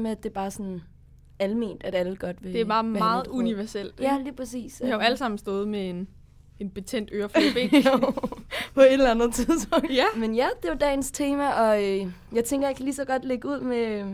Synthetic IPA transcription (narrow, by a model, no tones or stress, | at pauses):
meæd̥e̝b̥ɑ̈ːsɒ̽n | æləme̝̰ːnd̥æɾ̥æləɡ̥ɒ̽d̥ʋe̝d̥e̝ɑ̈ːmɑ̈ːð̩ˠuniʋæɐsel̰d̥jæliːpʰʁɛsḭːshɑjoæləsɑ̈m̰n̩sd̥ɔ̽ːð̞̩ˠmee̝n | e̝nb̥e̝t͡sʰen̰d̥øːɐfleb̥e̝̰ | pʰɒ̽e̝d̥elænð̩ˠt͡sʰiðˠsb̥ɔ̽ŋ̰̥jmenjæd̥e̝ʋɑd̥ɛ̰ːɪnst͡sʰe̝ːmæɒ̽øjɑ̈ɪt͡sʰeŋɡ̥ɐjɑ̈kʰælisɒ̽ɡ̥ɒ̽d̥leɡ̥əuð̞̰ˠme